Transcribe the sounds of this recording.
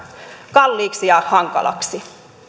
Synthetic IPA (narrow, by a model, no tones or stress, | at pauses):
kɑlːiːksijɑhɑŋkɑ̰lɑ̰ksi